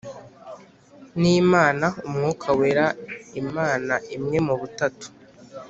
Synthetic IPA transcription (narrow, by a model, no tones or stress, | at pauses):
nimaːnaumŋuːkʰaweɾaimaːnaʔimŋe̞muβutatu̥